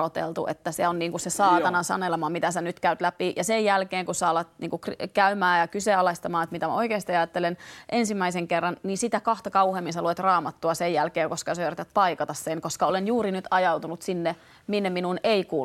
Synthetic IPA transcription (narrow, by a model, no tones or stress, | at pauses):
ot̪ḛlt̪ṵʔḛt̪ːæseonniːŋkusesɑːt̪ɑnɑnsɑ̰nelemɑːmit̪æsænyt̪kæyt̪læpijɑsejjælkeːŋkusɑːlɑt̪niːŋkukrkæymæːjɑkyseɑlest̪ɑmɑːet̪mit̪æmæ̰oikeːst̪ijɑjɑt̪ːelenʔensimːˑæiseŋkerːɑnniːsit̪ækɑht̪ɑkɑuheːmːinsæluet̪rɑːmɑt̪ːuɑsejjælkeːŋkoskɑsøyræt̪æt̪̚pɑikɑt̪ɑsseŋkoskɑolenjuːɾinyt̪ɑjɑwt̪unut̪sinːe | minːeminuneikuː